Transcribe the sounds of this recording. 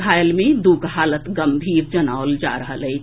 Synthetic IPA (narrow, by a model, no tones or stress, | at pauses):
bʱajəlmed̪ukɦaːlətt̪ɡəmbʱiːɾd͡ʒəna̰old͡ʒa̰ɾəɦəlɛɪt͡ʃ